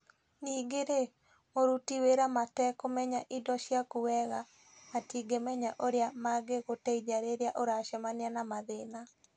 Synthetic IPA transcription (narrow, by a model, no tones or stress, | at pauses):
niːɡeɾe | moɾutiweɾamatɛkomɛɲaʔidɔʃjakuwɛɣa | natiːɡemɛɲaʔoɾeamaɡeɣotɛid͡ʒaɾeɾeaʔoɾaʃɛmanianamaðena